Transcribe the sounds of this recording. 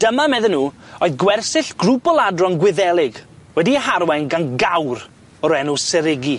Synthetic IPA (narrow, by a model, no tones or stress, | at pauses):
d̥əmamɛðənːuːoɨðɡwɛrsɪɬɡ̥rubɔlˠadrɔnɡwɪðɛlˠɪɡwɛdiəhaɾwɛnɡanɡawr | ɔɾɛnusɛɾɪɡi